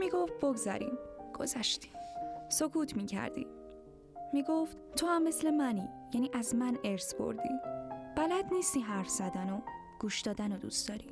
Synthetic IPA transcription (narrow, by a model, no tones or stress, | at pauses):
miːɡoft̪̚boɡzæ̰ɾḭmɡ̥o̞̰zæʃt̪i̥ːmsokʰuːt̪ʰmiːcʰæ̰ɾd̪ḭ | miːɡoft̪t̪ʰohæmːe̞slemæniːjæniːʔæzmæneɾsbo̰ɾd̪ḭːb̥ælæd̪niːst̪iːɦæɾfz̥æd̪æno | ɡ̥uːʃd̪̥ɒːd̪ænod̪ṵstd̪̥ɒːɾi